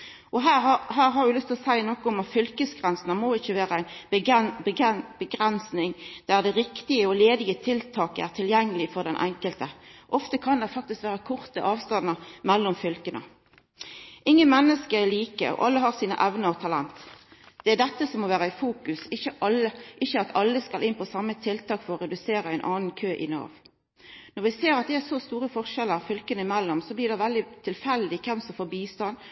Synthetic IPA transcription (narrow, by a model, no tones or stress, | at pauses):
ʔɔɦæːɦæːʁɦɑʁɾʉlʏst̪ʰɪlɔsæɪnɔːkɔʊmɑt̪fʏlkəsɡʁɛnsənəmoːɪçːəʋæːɾəæɪnbəɡnbəɡb̥əɡʁɛnsnɪŋd̪̥æʁd̪ɛʁɪkt̪ɪəɔleːd̪ɪət̪ʰɪlt̪ʰɑːkəæ̰ʁt̪ʰɪljɛŋːəlɪfɔʁd̪ɛnʔɛ̰ŋkəlt̪əʔɔft̪əkʰɑnd̪ɛfɑk̚t̪ɪskʋæːʁəkʰʊʁt̪əʔɑːʋst̪ɑnːəmɛlːɔmfʏlkənə̰ | ʔɪŋːənmɛnːəskəɛliːkə̰ɔ̰ʔɑlːəɦɑʁsiːnə̰ʔɛʋnəɾɔt̪ʰɑlɛnt̪ | d̪̥ɛæd̪ɛt̪ːəsɔmɔːʋæːɾəɪfuːkʉsɪçəʔɑlːəʔɪçəɑt̪ʰɑlːəskɑlʔɪnpʰɔsɑmːət̪ʰɪlt̪ʰɑːkfɔʁɔʁɛd̪ʉseːɾəæɪnʔɑːnnkʰøːʔɪ̰nɑ̰ːʋ | nɔʁʋɪseːɾɑt̪̚d̪ɛæsɔst̪uːɾəfɔʁʂɛlːəʁfʏlkənəɪmɛlːɔmsɔblɪːʁd̪ɛʋɛld̪ɪt̪ʰɪlfɛld̪ɪkʰɛmsɔmfoːbiːst̪ɑn